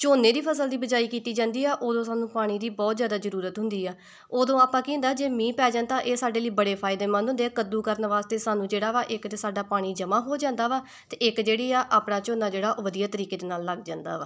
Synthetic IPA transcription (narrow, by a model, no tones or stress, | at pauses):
t͡ʃoːnːẽːd̪iːpʰəsəld̪iːbəd͡ʒaːiːkiːt̪iːd͡ʒãːnd̪iːɛːʔoːd̪õːsaːnũːpaːɽ̃iːd̪iːbɔːt̪zjaːd̪aːzəɾuːɾət̪ɦʊ̃nd̪iːɛː | oːd̪õːaːpãːkĩːnd̪aːd͡ʒeːmĩːpɛːd͡ʒãːnt̪ãːʔeːsaːɖeːliːbəɽeːpʰaːɪd̪eːmə̃ːnɦʊ̃nd̪eːaːkəd̪uːkəɾnʋaːst̪eːsaːnũːd͡ʒeːɽaːʋaːʔɪk̪esaːɖaːpaːɽ̃iːd͡ʒəmãːɦoːd͡ʒãːnd̪aːʋaː | t̪eɪkd͡ʒeːɽiːaːʔaːpɽaːt͡ʃoːnaːd͡ʒeːɽaːʔoːʋəd̪ijaːt̪əɾiːkeːd̪eːnaːlːəɡd͡ʒãːnd̪a̰ːʋaː